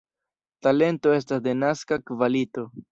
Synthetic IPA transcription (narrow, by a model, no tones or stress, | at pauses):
tale̞nto̞e̞s̬tasde̞naskakvalito̞